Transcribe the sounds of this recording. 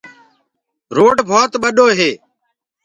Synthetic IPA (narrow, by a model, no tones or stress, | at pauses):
ɾoːɖbʱoːt̪ɓəɗoːɦeː